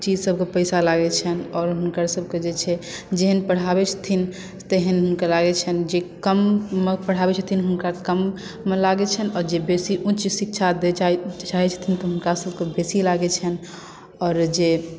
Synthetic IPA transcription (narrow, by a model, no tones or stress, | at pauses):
t͡ʃid͡ʒsəbʱkepəɪjsalaɡɛt͡ʃʰənɔːɾɦunkəɾsəbʱked͡ʒet͡ʃʰɛd͡ʒeɦənpəɽ̤abɛt͡ʃʰt̪ʰin | t̪eɦənɦunkəɾlaɡɛt͡ʃʰənd͡ʒekəmːepəɽ̤abɛt͡ʃʰət̪ʰinɦunkakəmː | elaɡɛt͡ʃʰənɔɾd͡ʒebesiʔũt͡ʃsik̚t͡ʃʰad̪et͡ʃaɦɛt͡ʃʰə̥t̪ʰint̪ɔɦunkasəbkebesilaɡɛt͡ʃʰən | ɔːɾd͡ʒe